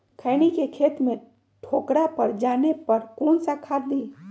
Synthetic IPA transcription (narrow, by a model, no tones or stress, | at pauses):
kʰəːñikekʰeːt̪mẽ | ʈʰoːkɾapɐɾd͡ʒaːnepɐɾkoːnsakʰaːɾd̪iː